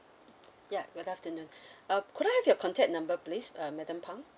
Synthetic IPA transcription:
jaɡudaftənũnʌkʰuɾajhɛvjɔkʰɔ̃ntʰɛ̃k̚t̚nãmbəplisʌmɛdə̃mpʰãŋ

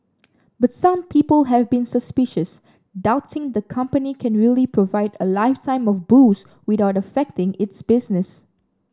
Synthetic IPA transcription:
batsãmpʰiːpəlɦɛvbĩnsəspɪʃəs | daʊtʰɪ̃ŋd̪əkʰʌ̃mpənikʰɛ̃nɹiəlipʰɹovaɪdəlaɪftʰãɪ̃mɔfbus | wɪðaʊtəfɛk̚tɪ̃ŋɪtsbɪsnɪs

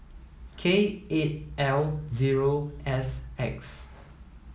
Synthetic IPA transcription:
kʰeet̚ʔɛlziɹoɛsɛks

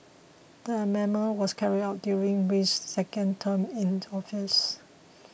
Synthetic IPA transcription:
d̥əəmɛməwɔskʰɛɹidaʊt̚djuɹĩŋwit͡ʃsɛkə̃ntʰə̃mĩnɔfis

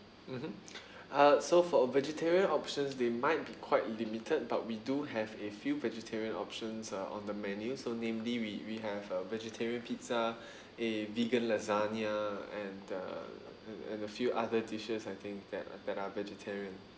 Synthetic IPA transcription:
m̩m̥m̩ | ʌsofɔvɛd͡ʒətʰɛɹiə̃nɔpʃə̃nsdemaɪt̚bikʰwaɪtlimitʰəd̚ba̰t̚widuɦɛvefjuvɛd͡ʒətʰɛɹiə̃nɔ̰pʃə̃nsʌʔɔ̰̃ndəmɛ̃njusonẽmliwiwiɦɛvəvɛd͡ʒətʰɛɹiə̃npʰitsa | eviɡə̃nlazaniaɛ̃nʌ̰ | ɛɛ̰̃nəfjuʔadətiʃəsajt̪ʰɪ̃ŋk̚d̪ɛ̰tdɛtavɛd͡ʒətʰɛɹiə̃n

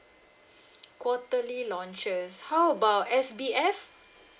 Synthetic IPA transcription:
kwɔtəlilɔ̃nt͡ʃəshawəbaʊtɛsbiɛf

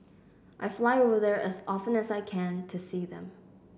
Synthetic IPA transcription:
ʔaɪflaɪovə˞ðə˞ʔɨzɔfə̃nɨzaɪkʰɛ̃ntʰɨsiðə̰̃m

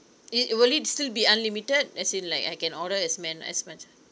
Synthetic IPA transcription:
iwəlitstilbiãnlimitəd̚ɛsĩnlaɪkaɪkɛ̃nɔɾəɛsmɛ̃nɛ̰smat͡ʃ

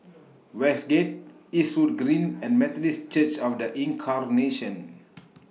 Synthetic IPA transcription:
wɛsɡet̚ | isut̚ɡɹĩnɛ̃nmɛtdist͡ʃət͡ʃɔfdəʔĩŋkʰarneʃə̃n

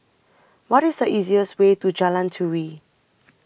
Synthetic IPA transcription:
wɔɾɪsdəʔiziəst̚wetud͡ʒalãntʰuwi

